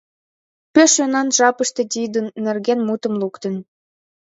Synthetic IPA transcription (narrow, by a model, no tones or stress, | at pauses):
pøʃønɑnʒɑpəʃt̪e̽t̪ʲid̪ənːerɣenmut̪ə̆mlukt̪ə̆n